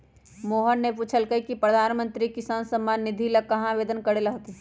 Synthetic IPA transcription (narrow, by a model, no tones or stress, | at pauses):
moːɦənːepuːt͡ʃʰəlkəikipɾəd̪ʱaːnmə̃nt̪ɾikɪsaːnsəmːaːnːɪd̪ʱilɐkɐɦãʋeːd̪ənkəɽelɐɦot̪e